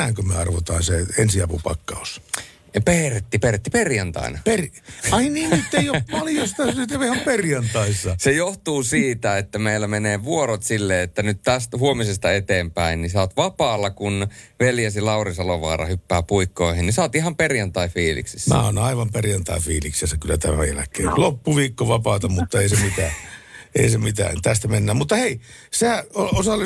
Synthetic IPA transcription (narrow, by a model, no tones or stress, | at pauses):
æːŋkømyøɑrʋot̪ɑːnseensiɑpupɑ̰kːɑus | peret̪ːiperet̪ːiperjɑnt̪ɑ̰ḭnɑperɑinniːnyt̪ːeijoppɑljost̪ɑnyt̪ɑihɑmperjɑnt̪ɑisːɑsejoht̪uːsiːt̪æet̪ːæmeilːæmeneːʋuorot̪silːeːet̪ːænyt̪t̪æst̪huomisest̪ɑet̪eːmpæinnisɑːt̪ʋɑpɑːlːɑkunʋeljæsilɑurisɑloʋɑ̰ːrɑ̰hypːæːpuikːoihennisɑːt̪ihɑmperjɑnt̪ɑifiːlḭksisːmæ̰ːo̰nɑiʋɑmperjɑnt̪ɑifiːliksesːækylːæt̪æmæ̰jæ̰lækːˑeːlopːuʋiːkːoʋɑpɑːt̪ɑmut̪ːɑeisemit̪æːḛisemit̪æ̰ːnt̪æst̪æmenːæːmmut̪ːɑhei | sehæoosɑlːi